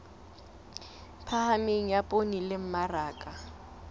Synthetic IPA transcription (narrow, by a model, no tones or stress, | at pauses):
pʰahameŋ̩japʼonilɪm̩maraːkʼa